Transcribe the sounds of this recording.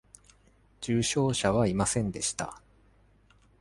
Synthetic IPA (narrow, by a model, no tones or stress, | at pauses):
d͡ʑɨːɕo̞ːɕaβaimasẽ̞nd̪e̞ɕi̥t̪a̰